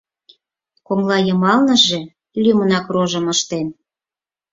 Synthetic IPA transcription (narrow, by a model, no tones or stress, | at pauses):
koŋlɑjə̆mɑlnɤ̆ʒe | lʲimənɑkroʒə̆məʃt̪en